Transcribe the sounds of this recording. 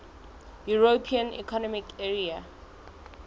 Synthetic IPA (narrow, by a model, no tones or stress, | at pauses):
juɹopʰiãnḭkʰɔnɔmikʰɛɹia